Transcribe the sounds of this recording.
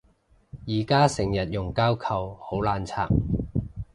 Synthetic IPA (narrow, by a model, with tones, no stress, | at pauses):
jiː˨˩kaː˥sɪ˨˩ŋjɐ˨t̚jʊ˨˩ŋkaː˥wkʰɐ˨˩who˨˥wlaː˨˧nt͡sʰa̰ː˨˩k̚